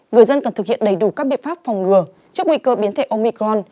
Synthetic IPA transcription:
ŋɨ˨˩əjzə˧nkɔ˨˩t̪ɨ˨˩k̚hḭ˧˨ənɗə˨˩jɗu˧˩kaː˦˥k̚ɓḭ˧˨nfaː˦˥p̚fɔ˨˩wŋ͡mŋɨ˨˩ə | t͡ɕɨ˦˥ək̚wi˧kəː˧ɓi˨˦ət̪ʰe˧˩ʔo˧mi˧kɾɔ˧n

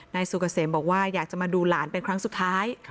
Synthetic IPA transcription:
naː˧jsu˨˩ka˧seː˩˦mbɔː˨˩k̚waː˥˩jaː˨˩k̚t͡ɕa˨˩maː˧duː˧laː˩˦npe˧nkʰɾa˦˥ŋsu˨˩t̪ʰːaː˦˥j

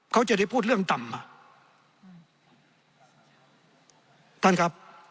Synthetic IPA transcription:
kʰa˦˥wt͡ɕa˨˩da˥˩jpʰuː˥˩t̪̚ɯ˥˩əŋt̪a˨˩mːa˧˩ | t̪ʰa˥˩nkʰa˦˥p̚

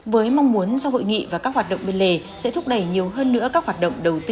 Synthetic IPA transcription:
vəː˨˦jma˧wŋ͡mmu˨˦ənza˧who̰˧˨jŋḭ˧˨vaː˨˩kaː˦˥k̚hwaː˨˩t̚ɗə̰˧˨ŋ͡mɓe˧nle˧˩ | sɛ̰˧˥t̪ʰʊ˦˥k͡p̚ɗə˧˩jɲi˨˩əwɦəː˧nːɨ̰˧˥əkaː˦˥k̚waː˨˩ɗə̰˧˨wŋ͡mɗə˨˩wt̪i˧

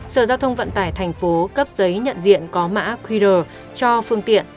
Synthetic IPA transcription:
səː˧˩zaː˧wt̪ʰə˧wŋ͡mvə̰˧˨nt̪aː˧˩jt̪ʰɛ˨˩jŋ̟fo˨˦kə˦˥p̚zə˨˦jɲə̰˧˨nzḭ˧˨ənkɔ˨˦ma̰ː˧˥kwi˧ɾəː˨˩ | t͡ɕɔ˧fɨ˧əŋt̪ḭ˧˨ən

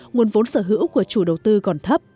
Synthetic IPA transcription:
ŋu˨˩ənvo˨˦nsəː˧˩ɦɨ̰˧˥wku˧˩ət͡ɕu˧˩ɗə˨˩wt̪ɨ˧kɔ˨˩nt̪ʰə˦˥p̚

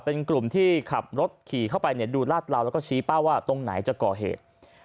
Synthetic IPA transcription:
pe˧nklu˨˩mt̪ʰiː˥˩kʰa˨˩p̚ɾo˦˥t̪̚kʰiː˨˩kʰa˥˩wpa˧jni˥˩ɐduː˧laː˥˩t̪̚laː˧wlɛ˦˥kɔː˥˩t͡ɕʰiː˦˥pa˥˩waː˥˩t̪o˧ŋna̰˩˦jt͡ɕa˨˩kɔː˨˩ɦḛː˨˩t̪̚

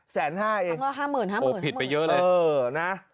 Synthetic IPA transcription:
sɛː˩˦nɦaː˥˩ʔeː˧ŋlːɦaː˥˩mɯː˨˩nɦaː˥˩oː˨˩˨i˨˩pa˧jɤ˦˥ʔlɤː˧ɤː˧na˦˥ʔ

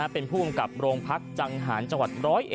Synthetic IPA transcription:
a˦˥pe˧npʰuː˥˩ba˧mka˨˩p̚ɾoː˧ŋpʰa˦˥k̚t͡ɕa˧ŋɦaː˩˦nt͡ɕa˧ŋwa˨˩t̪̚ɾɔː˦˥jʔ

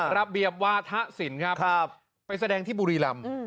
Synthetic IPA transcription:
ɾa˦˧bi˨˩əp̚waː˧t̪ʰa˦˥ʔsi˩˦nkʰɾa˦˥pk̚ʰ | pːa˧jsa˧dɛː˧ŋt̪ʰiː˥˩buː˧ɾiː˧la˧m˧

